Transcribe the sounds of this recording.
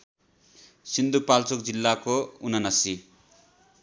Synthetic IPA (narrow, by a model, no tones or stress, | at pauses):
sind̪upalt͡sokd͡zilːakounʌnʌsi